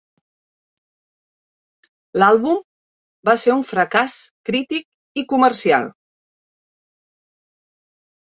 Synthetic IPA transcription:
lalˠβum | baseuɱfɾəkaskɾit̪ik̚ | ikumərsia̰lˠ

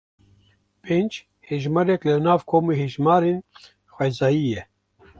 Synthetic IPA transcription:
pend͡ʒ | heʒmaɾɛklɨnaːvkʰoːmiheʒmaːɾeːn | xʷɛzɑːjiːjɛ

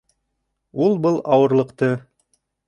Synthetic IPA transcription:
ulˠbɤlˠɑwɤ̆ɾlˠɤ̆qt̪ɤ

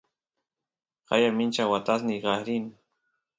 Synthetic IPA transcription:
qɑ̰jamɪnt͡ʃawat̪asniɢɑɾin

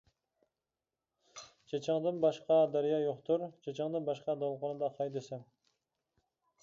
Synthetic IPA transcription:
d͡ʒʰet͡ʃʰɪŋd̪ɨnbɑʃqɑd̪æɾjɑjoqt̪ʰuɾd͡ʒʰet͡ʃʰɪŋd̪ɨnbɑʃqɑd̪olˠqonɨd̪ɑqʰɑjd̪esɪm

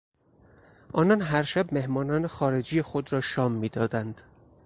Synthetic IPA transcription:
ʔɒːnɒnɦæɾʃæbme̞hmɒːnɒːnexɒːɾe̞d͡ʒiːjexod̪ɾɒːʃɒːmːiːd̪ɒːd̪ænd̪̥

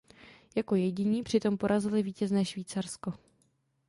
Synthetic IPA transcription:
jako̞jɛɟɪɲiːpr̥ɪt̪o̞mpo̞ɾʔazɪlɪviːcɛznɛːʃviːt͡saɾsko̞

